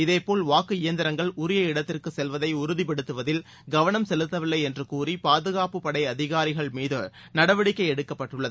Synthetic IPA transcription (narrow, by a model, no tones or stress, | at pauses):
ɪðeːpoːlʋaːkɯɪjɐnd̪ɪɾɐŋɡɐɭʊɾɪjɐɪɽɐt̪ːɪrkɯsɛlʋɐðɐɪʊɾʊðɪpɐɽɯt̪ːɯʋɐðɪl | ɡɐʋɐɳɐmsɛlɯt̪ːɐʋɪlːɐɪɛndrɯkuːripaːðɯɣaːpɯpɐɽɐɪɐðɪɣaːɾɪɣɐɭmiːðɯ | nɐɽɐʋɐɽɪkːɐɪɛɽɯkːɐpːɐʈːɯɭːɐðɯ